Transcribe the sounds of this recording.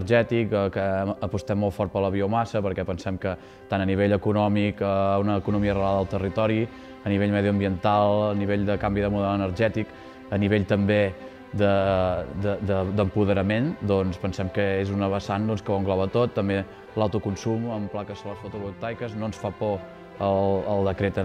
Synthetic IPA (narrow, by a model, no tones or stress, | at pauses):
ərʒɛt̪ikəkəːpust̪ɛmːolˠfɔɾt̪pələβiumasəpəɾkɛpənsɛmkə | t̪anəniβ̞eʎəkunɔmikəunəːkunumiəreaðəəlˠt̪ərit̪ɔɾi | əniβ̞eʎməðiuəmbiənt̪alˠəniβeʎd̪əkambiðəmuðɛlənəɾʒɛt̪ik | əniβeʎt̪əmbe | d̪əd̪əd̪əd̪əmpuðəɾəmend̪ɔnspənsɛmkəezunəβəsand̪ɔnskəβoŋɡlɔβət̪ot̪ːəmbe | lawt̪ukunsuməmplakəsoləsfut̪uɣut̪ajkəznonsfapɔ | ələlˠd̪əkɾet̪ə